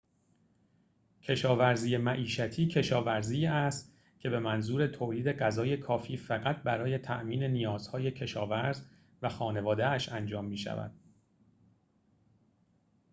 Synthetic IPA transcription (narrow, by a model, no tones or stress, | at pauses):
cʰe̞ʃɒːvæɾziːjemæʔiːʃæt̪ʰiːcʰe̞ʃɒːvæɾziːæst̪ | cʰe̞be̞mænzuːɾe̞t̪ʰoːliːd̪e̞ɢæzɒːje̞kʰɒːfiːfæɣæt̪̚ʰbæɾɒːje̞t̪ʰæ̰ʔmiːne̞nijɒːz̥hɒːje̞cʰe̞ʃɒ̰ːvæɾz | væxɒːne̞vɒːd̪eæʃænd͡ʒɒːmːiːʃæ̰væ̰d̪̥